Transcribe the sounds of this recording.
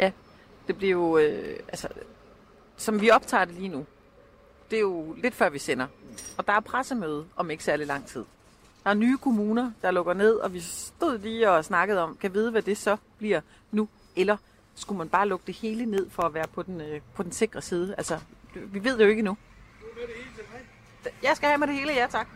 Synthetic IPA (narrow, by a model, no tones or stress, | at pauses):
jʔæ | d̥e̝b̥liɐjo̝øælsə | sɒ̽mʋiɒ̽b̥t͡sʰɑ̰̈ːd̥e̝liːnu | d̥e̝æjo̝le̝d̥fɶɐ̰ʋisen̰ɐɒ̽d̥ɑ̈æɐpʰʁasəmeð̞ˠɒ̽me̝ɡ̥ə̥sæɐlilɑ̈ŋ̰t͡sʰið̞̰ˠ | d̥ɑ̈æɐnyːkʰo̝muːnɐd̥ɑ̈lɔ̽ɡ̥ɐne̝ð̞̰ˠɒ̽ʋisd̥o̝ð̞̰ˠliːɒ̽snɑ̈ɡ̥əð̩ˠɒ̽mkʰæʋið̞ˠəʋæd̥e̝sɒ̽b̥liɐ | nu | ʔelɐ | sɡ̥umænb̥ɑ̈ːlɔ̽ɡ̥əd̥e̝he̝ːləne̝ð̞̰ˠfɒ̽æʋæːɐpʰɒ̽d̥enpʰɒ̽d̥ense̝ɡ̥ʁɐsiːð̞ˠəælsɐ̥ʋiʋe̝ð̞̰ˠd̥jo̝e̝ɡ̥ənu | jɑ̈ɪsɡ̥æhæmɑɪɾe̝he̝ːləjæt͡sʰɑ̈ɡ̥